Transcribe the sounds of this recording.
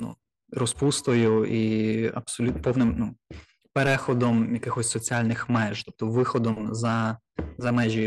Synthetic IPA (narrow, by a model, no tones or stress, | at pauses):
nṵ | ɾɔspust̪ɔjʊiɐ̰bsɔlʲupɔwnɪmnu | peɾɛxɔd̪ɔmjɐkɪxɔsʲsɔt͡sʲialʲnɪxmɛʒt̪ɔp̚t̪ɔʋɪxɔd̪ɔmzɐ | zɐmɛʒʲi